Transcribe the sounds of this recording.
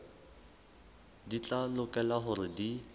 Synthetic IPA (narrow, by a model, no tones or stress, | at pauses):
dit͡ɬʼalʊkʼɛlaɦʊrɪdi